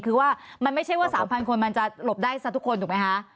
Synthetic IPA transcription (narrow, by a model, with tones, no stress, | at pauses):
kʰɯː˧waː˥˩ma˧nma˥˩t͡ɕʰa˥˩jwaː˥˩saː˩˦mpʰa˧nkʰo˧nma˧nt͡ɕa˨˩lo˨˩p̚daː˥˩jsa˧˩t̪u˦˥kʰːo˧nt̪ʰu˨˩m˦˥jkʰa˦˥ʔ